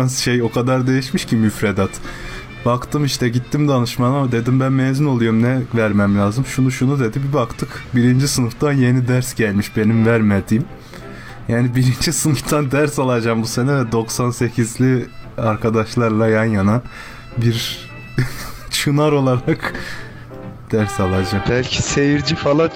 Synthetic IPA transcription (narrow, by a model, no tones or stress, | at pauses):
asʃejo̞kʰad̪aɾd̪e̞jiʃmiʃcimmyfɾed̪at̪ | bakt̪ʰɯmiʃt̪ɛɟit̪ʰːimd̪anɯʃmanad̪e̞d̪imbænmezino̞lˠujomnɛvæɾmæmlʲaːzɯmʃunuʃunud̪e̞d̪ibibakt̪ʰɯkbiɾind͡ʒisɯnɯft̪ʰanje̞nid̪æɾsɟælʲmiʃbe̞nimvæɾmed̪iːm | jaːnibiɾind͡ʒisɯnɯft̪ʰand̪æɾsalˠad͡ʒambuse̞nɛvɛd̪o̞ksanse̞cʰizlʲiaɾkʰad̪aʃlˠaɾlˠajanjana | biɾ | t͡ʃʰunaɾo̞lˠaɾak | d̪̥æɾsalˠad͡ʒambælʲcʰise̞jiɾd͡ʒifalˠa